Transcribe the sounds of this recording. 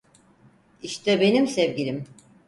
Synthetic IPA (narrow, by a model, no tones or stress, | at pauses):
iʃt̪ʰɛbe̞nimsevɟilʲim